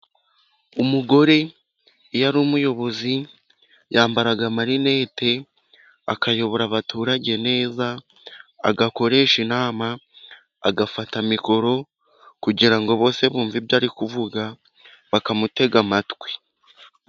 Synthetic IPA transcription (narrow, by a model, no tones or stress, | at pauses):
umuɡo̞ɾe̞ | jaɾuːmujo̞βo̞zi | jaːmbaɾaɡamaɾine̞ːte̞ | a̰kajo̞βo̞ɾaβatuːɾaɟe̞ne̞ːza̰ː | ɡako̞ɾe̞ːʃinaːma̰ː | ɡafatamiko̞ɾo̞ | kuɟiɾaŋɡo̞βo̞ːse̞βuːɱvibjaːɾikuvuɡa | βakamute̞ɡamatwe̥